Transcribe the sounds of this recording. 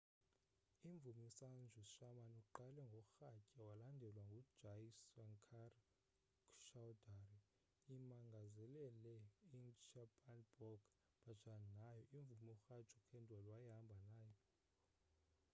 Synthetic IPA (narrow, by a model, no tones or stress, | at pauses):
iɱb̪vumisand͡ʒʱuiʃamanuǃalɛŋɡʱɔxacʼawalandʱɛlwaŋɡʱu̥d͡ʒ̥ajsaŋkʰar | ʃawdari | imaŋɡʱazɛlɛlɛint͡ʃʰapʰʼanbɔɡ | b̥at͡ʃʰʼannajɔʔiɱvumiɔxat͡ʃʰʼukʰɛndʱwalwajiɦambʱanaːjɔ